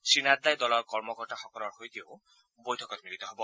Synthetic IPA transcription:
sinad̪ajd̪ɔlɔɾkɔɾmɔkɔɾʈaxɔkɔɾɔɾɦojk̪ew | bojʈʰɔkɔɾemilit̪ɔɦebɔ

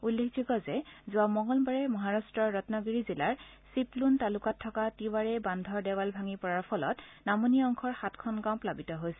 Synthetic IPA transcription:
ulːekʰd͡ʒuɡɔzɛzʊamɔŋɡɔlbaɹɛmɔɦaɹastɹɔɹːɔtnɔɡiɹizilaɹ | sipluntalʊkatʰːɔkatiwaɹɛbandʱɔɹdɛwalbʱaŋipɔɹaɹpʰɔlɔ̰tnamoniɔŋkʰɔɹxatkʰɔnɡamplabitɔɦojsɛ

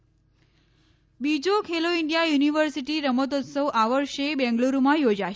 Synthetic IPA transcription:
bid͡ʒokʰeloiɳɖijajuniʋəɾsiʈiɾəmət̪̬ɔt̪səʋʔaʋəɾʃebɛ̃ŋɡluɾumãjod͡ʒaʃ

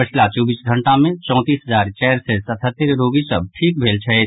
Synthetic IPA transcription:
ət͡ʃʰlat͡ʃɔːbiːsɡʱə̃ɳʈamẽt͡ʃɔ̃ːt̪iːsɦəzaːɾt͡ʃɛːɾsesət̪ʰət̪ːəɾɾoːɡisəb̚ʈʰiːk̚bʱeːlt͡ʃʰɐe

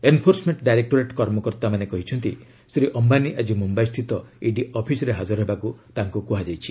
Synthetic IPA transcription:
enpʰoɾsmeɳʈɖajɾek̚ʈoɾeʈkɔɾmɔkɔɾt̪amanekɔɦit͡ʃʰɔnt̪i | sɾiʔɔmbaniʔad͡ʒimumbajst̪ʰit̪ɔiɖiɔpʰisɔɾeɦad͡ʒɔɾɔɦebakut̪aŋkukuɦad͡ʒajt͡ʃʰi̥

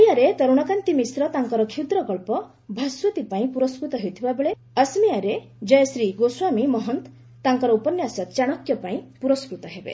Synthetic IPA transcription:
jaɾet̪ɔɾuɽ̃akant̪imisɾɔt̪aŋkɔɾɔkʰewd̪ɾɔkɔɭpɔ | bʱaswɔt̪ipaĩpuɾɔskɾut̪ɔɦewt̪ʰibabeɭe | əsmiaɾe | d͡ʒɔjɔsɾiɡoswamimɔɦɔnt̪ | t̪aŋkɔɾɔupɔnjasɔt̪t͡ʃaɽ̃ɔkjɔpaĩpuɾɔskɾut̪ɔɦebḛ

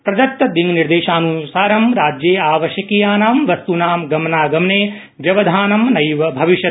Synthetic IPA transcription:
pɾɐd͡ʒɐk̚t̪ːɐd̪iŋniɾd̪eːʃaːnusaːɾɐmɾaːd͡ʒjeːaːʋɐʃjɐkijaːnaːmʋɐst̪unaːmɡɐmɐnaːɡɐmɳeː | d͡ʒɐʋɐd̪ʱaːnɐmnɐjʋɐbʱɐʋiʃjɐ

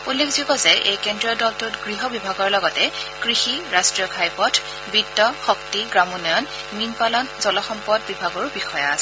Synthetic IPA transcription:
ulːekʰzikɔzɛʔejkendɹiɔdɔltutɡɹiɦɔbibʱaɡɔɹlɔɡɔtɛkɹixiɹastɹijɔkʰajpɔtʰ | bidːɔxɔktiɡɹamunɔjɔn | minpalɔnzɔlɔxɔmpɔd̚bibʱaɡɔɹʊbixɔjɔasɛ

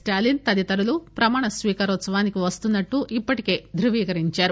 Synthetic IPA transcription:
sʈaːlint̪ɐd̪it̪ɐɾulupɾɐmaːɳɐsʋiːkɐɾɔːt̪sɐʋaːnikiʋɐst̪unːɐʈːuʔipːɐʈi̥ke̞ːd̪ɾuʋiːkɐɾiɲt͡ʃaːɾu

